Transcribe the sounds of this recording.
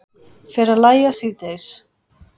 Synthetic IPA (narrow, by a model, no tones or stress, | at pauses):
fɛɾalajasit̪ejs